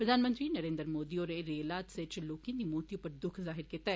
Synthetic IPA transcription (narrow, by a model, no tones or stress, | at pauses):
pɾɐd̪ʱaːnmə̃nt̪ɾinɐɾẽːnd̪əɾmoːd̪ioːɾeɾelaːt̪set͡ʃloːkẽd̪imoːt̪ijõpɐɾd̪ʊkʰzaːɦɪɾkiːt̪aɦɛ